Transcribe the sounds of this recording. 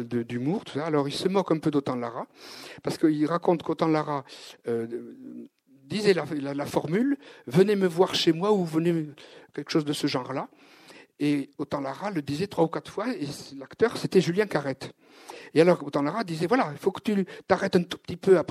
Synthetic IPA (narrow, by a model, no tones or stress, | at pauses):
d̪əd̪ymuʁt̪u̥saːlɔʁilsəmɔkɛ̃pød̪ot̪ɑ̃laʁapaʁsə̥kəilʁakɔ̃t̪kot̪ɑ̃laʁaø | d̪izɛlalalafɔʁmylvənɛməvwaʁʃemwauvənɛkʲɛlkə̥ʃozd̪əsəʒɑ̃ʁla | eot̪ɑ̃laʁaləd̪izɛt̪χwaukat̪χfwaeslakt̪œʁset̪ɛʒyljɛ̃kaʁɛt̪ | ealɔʁot̪ɑ̃laʁad̪izɛvwalailfokə̥t̪yt̪aʁɛt̪ɛ̃t̪u̥pət̪ipøap